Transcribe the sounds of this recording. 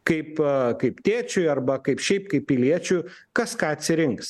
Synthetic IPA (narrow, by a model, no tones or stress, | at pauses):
kɐɪpkɐɪpt̪ʲeːt͡ʃʲʊjɐrbɐkɐɪpʃʲɛɪpkɐɪp̚pʲɪlʲiɛt͡ʃʲʊjkɐskɑːɐt̪ʲsʲɪɾʲɪŋks